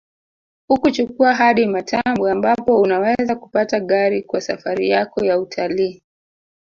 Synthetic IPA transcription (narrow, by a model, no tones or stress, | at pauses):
hukut͡ʃukuaɦaɗimatʰambuambapɔunawɛzaku̥pataɠaɾikwasa̰faɾḭjakɔjautʰaliː